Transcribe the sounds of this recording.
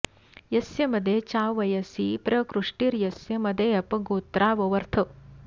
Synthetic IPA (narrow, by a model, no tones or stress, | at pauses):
jɐsjɐmɐd̪ʱːet͡ʃaːʋʋɐjɐsipɾɐkɾuʂʈiːɾjɐsjɐmɐd̪ʱeɐpɐɡoːt̪ɾaːʋɐʋɐɾt̪ʰɐ